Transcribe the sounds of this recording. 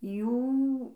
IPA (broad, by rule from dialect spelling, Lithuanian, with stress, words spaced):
ˈjuː